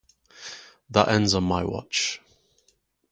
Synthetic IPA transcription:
ðəʔɛ̃ndzənmaɪwɒ̰t͡ʃ

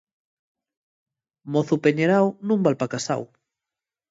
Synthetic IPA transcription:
moθupeɲeɾawnũmbalpakasa̰w

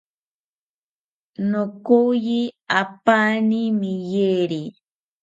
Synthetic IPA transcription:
nokujiapanimɪjeɾi

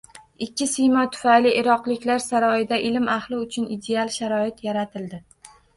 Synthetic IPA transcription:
ɪkʲːɪsɪjmɒt̪ʰʊ̥fajlɪʔɪɾɒqlˠɪkʲlaɾsaɾɒɪd̪aʔɪlmaχlˠɪʊt͡ʃʰʊnid̪e̞alˠʃaɾɒɪt̪ʰjaɾat̪ʰɪld̪ɪ

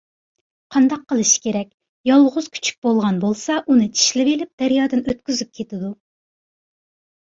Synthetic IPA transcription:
qʰɑnd̪ɑqʰːəlˠɨʃi̥kʲʰeɾɛk̚ʲ | jɑlˠʁʊz̥kʲʰy̥t͡ʃʰy̥k̚ʲbolˠʁɑnbolˠsɑʔunɨt͡ʃʰi̥ʃlɪvelɪp̚d̪̥æɾjɑːd̪ɨnøt̪̚kʲyzyp̚kʲʰet̪ɪd̪u

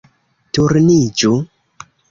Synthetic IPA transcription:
tuɾnid͡ʒu

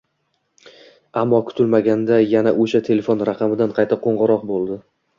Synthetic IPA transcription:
amːɒkʰʊ̥t̪ʰɪlmaɡʲand̪ajanaʔoʃat̪ʰe̞lefonɾaqʰɑmɪd̪anqʰɑjt̪ʰaqʰoɴʁɑɾɒq̚bolˠd̪ɪ

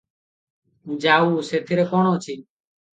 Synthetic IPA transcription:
d͡ʒaːuːseːt̪ʰɪːɾeːkoːɳoːt͡ʃʰiː

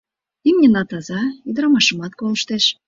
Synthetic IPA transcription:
imnʲenɑt̪ɑzɑyd̪əɾɑmɑʃəmɑt̪koləʃt̪eʃ

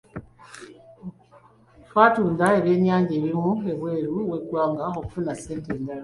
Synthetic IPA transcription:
twaːtuːndae̞βje̞ːɲaːɲɟe̞ːβimue̞βwe̞ːɾuwe̞ɡwaːŋɡaoku̥funase̞ːnteːndala

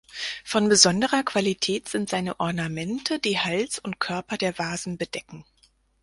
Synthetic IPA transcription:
fɔnbəzɔndəʁɐkv̥alitʰɛːtz̥ɪntz̥aɪnəʔɔɐnamɛntʰədiːhalsʊnt̚kʰœɐpɐdeːɐvaːzn̩bədɛkŋ̩

